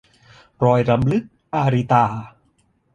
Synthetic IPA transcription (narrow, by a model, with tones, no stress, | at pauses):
ɾɔː˧jɾa˧mlɯ˦˥k̚ʔaː˧ɾi˧t̪aː˧˩